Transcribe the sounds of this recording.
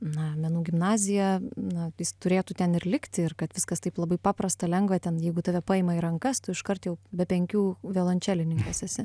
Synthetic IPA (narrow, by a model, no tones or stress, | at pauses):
nɐmʲɛnuːɡʲɪmnɑːzʲɪjɛnɐjɪst̪ʊɾʲeːt̪ut̪ʲɛnɪrlʲɪkt̪ʲɪɪrkɐt̪ʋʲɪskɐst̪ɐɪplˠɐbɐɪpɑːpɾɐst̪ɐlʲɛŋɡʋɐt̪ʲɛnjɛɪɡʊt̪ɑːʋʲɛpɑːɪmɐiɾɐŋkɐst̪ʊɪʃkɐrt̪jɛʊbʲɛpʲɛŋʲkʲuːʋʲɛːlˠɐnʲt͡ʃʲæːlʲɪnʲɪŋkɐsʲɛsʲɪ